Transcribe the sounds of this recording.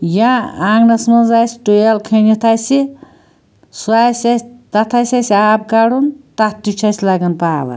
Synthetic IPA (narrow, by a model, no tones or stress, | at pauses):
jaaŋɡnɐsmɐnzajsi̥ʈojalkʰɐnit̪ʰajsi | suasʲasʲt̪ɐt̪ʰasʲasiaːb̚kaɽunt̪at̪ːut͡ʃʰaslaɡɐnpaːʋɐ̰